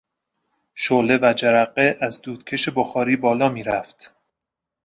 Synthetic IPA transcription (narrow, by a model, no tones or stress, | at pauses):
ʃoːle̞væd͡ʒæɾæɢeʔæzd̪uːd̪̥kʲʰe̞ʃe̞boxɒːɾiːbɒːlɒːmiːɾæft̪